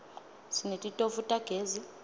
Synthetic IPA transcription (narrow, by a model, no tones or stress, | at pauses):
sinetʼitʼofutʼaɡ̥ʱeːzi